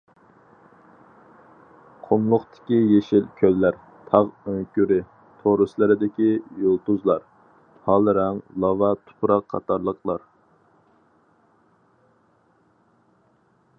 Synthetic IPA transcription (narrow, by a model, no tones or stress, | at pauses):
qʰomlˠʊχt̪ʰɪ̥kʲijeʃilkʲʰølːæɾ | t̪ʰɑʁøŋkʲyɾɪ | t̪ʰoɾɨslˠɨɾɪd̪ɪkʲijolˠt̪uzlˠɑɾ | hɑlˠɾɛŋlˠɑvɑt̪ʰʊ̥pʰɾɑqʰːɑ̰t̪ɑɾlˠəqʰlˠɑɾ